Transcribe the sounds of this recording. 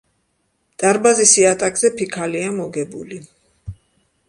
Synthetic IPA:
t̪ʼaɾbazisiat̪ʼakʼzɛpʰikʰaliamɔɡɛbṵli

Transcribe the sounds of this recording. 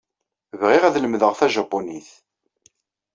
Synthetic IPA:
vʁɪʁæðləmðəʁθæʒɑpːoniθ

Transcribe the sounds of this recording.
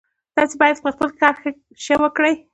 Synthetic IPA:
t̪ɑsebɑjad̪̚pəxpəlkɑɾxə | ʃəwəkɽəj

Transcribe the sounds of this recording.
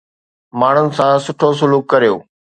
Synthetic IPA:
maːɳ̤ʊnɪ̆sãsʊʈʰos̬ʊluːkːɐɾijoː

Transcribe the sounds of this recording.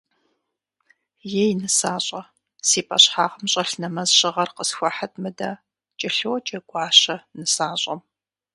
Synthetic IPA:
jejnɨsaːɕʼɐ | siːpʼɐɕħaːʁɐmɕʼɐɬnɐmɐzɕʼɪʁɐrqəsxʷɐħatʰʼmɨdɐ | t͡ʃʼɪɬɨwt͡ʃʼɐɡʷɑːɕɐnɨsaːɕʼɐm

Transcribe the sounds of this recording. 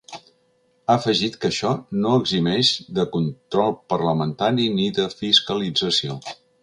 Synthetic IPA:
aəfəʒit̪kəʃɔnoəɡzimɛʃðəkunt̪ɾɔlˠpəɾləmənt̪aɾiniðəfiskəlid͡zəsio

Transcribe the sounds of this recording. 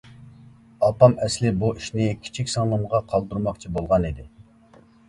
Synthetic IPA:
ɑpɑmɛslɪbuiʃnɪkʲʰi̥t͡ʃʰikʲsɑŋlˠəmʁɑqʰɑlˠd̪uɾmɑqt͡ʃʰibolˠʁɑnid̪ɪ

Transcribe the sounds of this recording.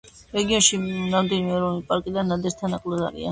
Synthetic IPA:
ɾɛɡiɔnʃinamd̪ilimɛɾɔnipʼaɾkʼid̪anːad̪ɛɾt̪ʰanaqʼlasa̰ɾḭa̰n

